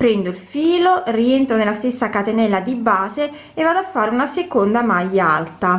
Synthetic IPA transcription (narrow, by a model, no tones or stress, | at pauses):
pɾɛnd̪oilfiːlorient̪ɾonelːast̪esːakat̪enɛlːad̪ibaːze | evːaːd̪oafːaːɾeunasekond̪amajːaa̰lt̪a